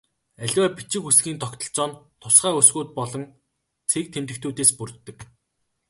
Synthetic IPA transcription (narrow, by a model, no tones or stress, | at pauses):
æɮʲwæːpit͡ɕɪ̆kxusɡiːnt̪ʰɔkt̪ɞ̆ɬt͡sɔːnt̪ʰʊsχaːusɡuːt̪̚pɔɮɞ̆n | t͡sʰek̚t̪ʰemt̪ɘ̆kt̪ʰuːt̪eːspurt̪ːɘ̆k